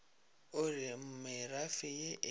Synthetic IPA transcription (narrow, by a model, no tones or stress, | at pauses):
ʊrɪm̩mɪrafɪjeʔ